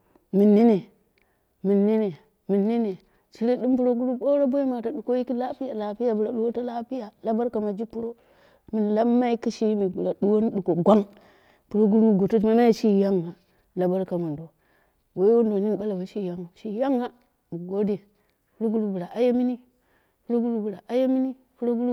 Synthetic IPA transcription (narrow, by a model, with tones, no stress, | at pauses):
mi˨nːi˦ne˨ | mi˨nːi˦ne˨ | mi˨nːi˦ne˨ | t͡ʃi˦ɾe˦ɗi˦m˦pu˦ɾo˦ɡu˦lu˦bo˦ɾa˦bo˦i˦ma˨ta˨ɗu˨ko˦ji˦ki˦la˦pi˦ja˨la˨pi˦ja˨bu˨ɾa˨ɗu˦wo˦ta˦la˦pi˦ja˨la˦ba˦ɾka˨ma˨d͡ʒi˦pu˦ɾo˦ | mi˨n˨la˦mː˦a˦i˦ki˦ʃi˦mi˨bu˨la˨ɗu˦wo˦n˦ɗu˨ko˨ɡʷa˦ŋ | pu˨ɾo˦ɡu˦lu˦˨ɡo˨tu˦tma˦ma˦ji˦ʃi˦˨ja˦ŋːa˨ | la˨ba˦ɾka˨ma˨ndo˨ | we˦wo˦n˦do˨ni˦n˨ɓa˦la˨ba˨ʃi˦˨ja˦ŋo˨ʃi˦ja˦ŋːa˨ | u˨ɡo˦de˨ | pu˨˦ɾo˦ɡu˦lu˦bu˨ɾa˨ʔa˨je˦mi˦ni˦ | pu˨˦ɾo˦ɡu˦lu˦bu˨ɾa˨ʔa˨je˦mi˦ni˦ | pu˦ɾo˦ɡu˦lu˦